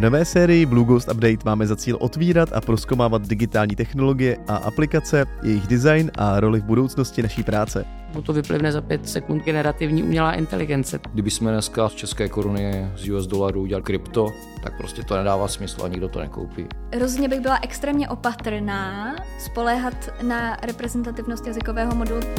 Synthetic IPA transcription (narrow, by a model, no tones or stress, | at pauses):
vno̞vɛːsɛːɾɪjɪvluɡowst̪abdɛjt̪maːmɛzat͡siːlʔo̞t̪viːɾat̪a̰pɾo̞skowmaːvad̪̚dɪɡɪt̪aːlɲiːt̪ɛxno̞lo̞ɡɪjɛʔaʔa̰plɪkat͡sɛjʔɛjɪɣdɪzajnʔaɾo̞lɪvbudo̞wt͡sno̞scɪnaʃiːpɾaːt͡sɛ̰ | bot̪ovɪplɪ̰vnɛzapjɛt̪sɛkund̪̚ɡɛnɛɾat̪ɪvɲiːʔṵmɲɛlaːʔɪ̰nt̪ɛ̰lɪɡɛnt͡sɛɡdɪbɪsmɛnɛskast͡ʃɛskɛːkoɾunɪɛzjuɛzdolaɾuuɟɛlalɪkɾɪpt̪o | t̪a̰k̚pɾoscɛt̪onɛdaːvaːsmɪslṵa̰ɲɪɡdot̪onɛ̰ko̰wpḭːɦɾozodɲɛbɪɣbɪlaʔɛkst̪ɾɛːmɲɛʔo̞pat̪r̩naːspo̞lɛːɦat̪ | naɾɛpɾɛzɛnt̪at̪ɪvnost̪jazɪkovɛːɦomodɛlu